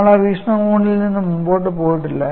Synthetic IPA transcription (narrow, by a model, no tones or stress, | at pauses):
ɐɭɐʋiːʂɳɐkuːɳilninːɨmumboːjiʈ̬ːɨpoːjiʈːilːɐ